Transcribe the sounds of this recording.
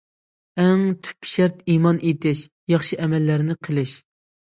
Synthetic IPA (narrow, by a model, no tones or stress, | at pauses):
ɛŋt̪ʰy̥pːʃɛɾt̪imɑnʔet̪ɪʃ | jɑχʃɨʔɛmɛlːæɾnɪqʰəlˠɪʃ